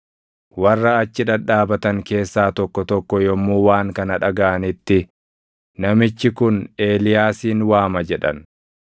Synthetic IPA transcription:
wɐrːɐːt͡ʃːɪᶑɐᶑaːbɐt̪ɐŋke̞ːsːaːt̪ɔkːɔt̪ɔkːɔjɔmːuːwaːŋkɐnɐᶑɐɡɐʔɐnɪt̪ːɪ | nɐmɪt͡ʃːɪkʊne̞ːlɪjaːsiːnwaːmɐd͡ʒɛᶑɐ̰n

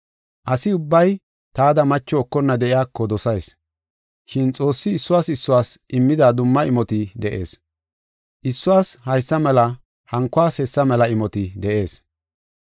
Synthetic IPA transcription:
ʔɐsɪʊbːɐj | t̪aːd̪ɐmɐt͡ʃːɔːkːɔnːɐd̪ɛʔɪjaːkːɔd̪ɔsɐjs | ʃɪnt͡sʼo̞ːsːɪːsːʊwaːsɪsːʊwaːsʔɪmːɪd̪ad̪ʊmːɐɪmɔt̪ɪd̪ɛʔe̞̰ːs | ʔɪsːʊwaːshɐjsːɐmɛlɐ | hɐŋkːʊwaːshɛsːɐmɛlɐɪmɔt̪ɪd̪ɛʔe̞ːs

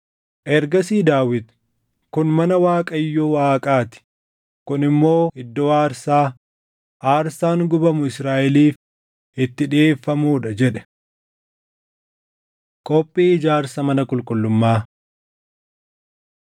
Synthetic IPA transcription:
ʔɛɾɡɐsiːd̪aːwɪd̪ | kʊnmɐnɐwaːkʼɐjːuːwaːkʼaːt̪ɪ̥ | kʊnɪmːo̞ːhɪd̪ːɔwaːɾsaː | ʔaːɾsaːŋɡʊbɐmʊɪsɾaːʔɛliːf | ɪt̪ːɪᶑeːfːɐmuːᶑɐd͡ʒɛᶑɛ̥ | kʼɔpʼːiːɪd͡ʒaːɾsɐmɐnɐkʼʊlkʼʊlːʊmːaː

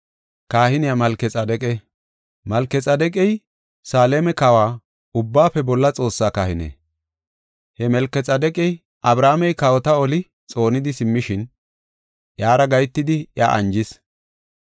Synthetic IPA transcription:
kaːhɪnɪjamɐlkɛt͡sʼɐd̪ɛkʼɛ | mɐlkːɛt͡sʼɐd̪ɛkʼɛj | saːleːmɛkɐwaː | ʊbːaːfɛbɔlːɐt͡sʼo̞ːsːaːkaːhɪnḛː | hɛmɛlkːɛt͡sʼɐd̪ɛkʼɛj | ʔɐbɾaːmɛjkɐwɔt̪ɐɔlɪ | t͡sʼo̞ːnɪd̪ɪsɪmːɪʃɪn | ʔjaːɾɐɡɐjt̪ːɪd̪ɪja̰ːʔɐnd͡ʒɪs

